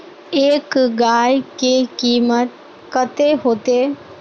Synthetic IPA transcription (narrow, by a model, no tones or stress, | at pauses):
eːkɡaːjkekiːmət̪̚ | kət̪eɦoːt̪eː